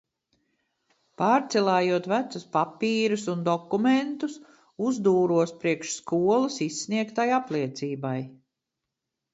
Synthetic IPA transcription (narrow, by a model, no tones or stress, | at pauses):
paːɾt̪sɛlˠaːjuɔt̪væt̪sʊspapiːɾusund̪ɔkument̪us | uzd̪uːɾuɔspɾiɛkʃskuɔlˠasisːniɛkt̪ajaplˠiɛt̪siːbaj